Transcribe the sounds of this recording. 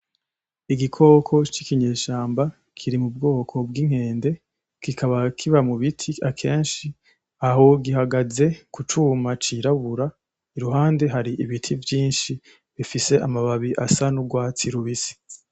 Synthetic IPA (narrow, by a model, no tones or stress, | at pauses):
iɡikʰo̞ːkʰo̞t͡ʃikiɲe̞ːʃaːmba | kʰiɾimub̚ɡo̞ːkʰo̞bɡiŋ̥he̞ːnde̞ | kikʰaβakʰiβamuβitʰiakʰe̞ːnʃi | aho̞ɡiɦaɡaze̞kut͡ʃuːmat͡ʃiɾaβuɾa | iɾuɦaːnde̞ɦaɾiʔiβitʰivjiːnʃi | βifise̞ʔamaβaβiʔasanuɡwaːt͡siɾuβisi̥